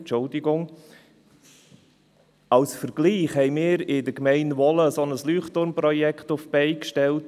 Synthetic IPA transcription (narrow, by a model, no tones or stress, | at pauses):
t͡ʃʊldɪɡʊŋ | ɑwsfəɾɡ̥liːχhɛɪmɪːɾɪdəkmɛɪnvɔləsɔnəslyːχtʊɾmprɔjɛkχtʊfb̥ɛɪkʃtɛlt